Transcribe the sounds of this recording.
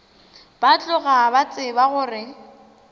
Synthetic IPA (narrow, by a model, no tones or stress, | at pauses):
b̥at͡ɬʼʊɣabat͡sʼɪbaɣʊːrɪ